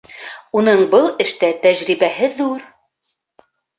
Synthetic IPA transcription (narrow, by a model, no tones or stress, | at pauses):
unɤɴbɤlˠɘ̆ʃt̪æt̪æʑɾiβæhɘðuɾ